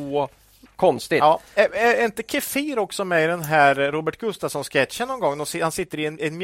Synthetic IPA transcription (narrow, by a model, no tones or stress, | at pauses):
kʰɔnst̪ɪɑːɛɛɛɾɪnt̪əkʰɛfiːɾɔksɔmɛɪd̪ɛnɦæːɾɾuːbəʈɡɵst̪avsɔnskɛt̪ɕənːɔnɡɔŋːɔsɪhansɪt̪ːəɾɪɛnɛnm